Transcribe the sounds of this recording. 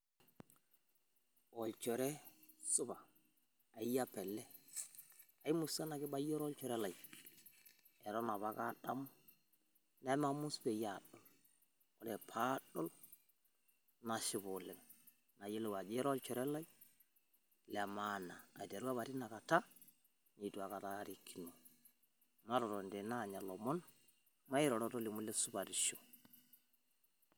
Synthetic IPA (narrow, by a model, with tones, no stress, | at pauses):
ɔ˨lt͡ʃɔ˨ɾɛ˦ | sʊ˦baː˨ | i˦ja˦pɛ˨lːɛ˦ | a˨i˦mu˨sa˦na˨kɪ˦ba˦jɔ˦ɾɔ˦lt͡ʃɔ˨ɾɛ˦la˨i | ɛ˨ɾɔ˦na˨βa˦ka˦da˦m˦ | na˦ma˦mu˦sbɛ˨ja˨ɗɔ˨l | ɔ˦lɛ˨pʰa˦ɗɔ˦l | na˨ʃɪ˨bɔ˨lɛ˨ŋ | na˨je˦lɛ˨wa˨d͡ʒe˦ɾɔ˦lt͡ʃɔ˨ɾɛ˦la˦i˦ | lɛ˨mana̰ː˨de˨ɾu˦a˦βa˨ɾi˦na˨ka˨ta˦ | ɲi˨tu˨a˨ka˨ta˦˨ɾi˨kʰːi˨no˨ | ma˦ɾɔ˨ɾɔ˨ndɛ˨na˦˨ɲa˨lɔ˨mɔ˦n | ma˦i˦ɾɔ˨ɾɔ˦tɔ˦li˨mu˦lɛ˦su˦ba˨ɾi˨ʃo˨